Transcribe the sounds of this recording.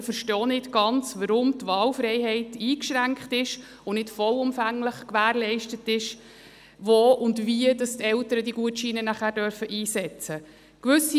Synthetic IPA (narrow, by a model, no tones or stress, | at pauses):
fəɾʃtɔːnɪtɡ̥ɑnt͡sʋɑɾʊmtʋɑːlfɾɛɪɦɛɪtiːkʃɾæŋkχtɪʃ | ʊnɪtfɔlʊmfæŋləχkʋæːɾlɛɪʃtətɪʃ | voːʔʊndʋiədɑstɛltəɾədiɡuətʃiːnənæχæːɾdœɾfəʔiːsɛt͡sə | kʋʏsi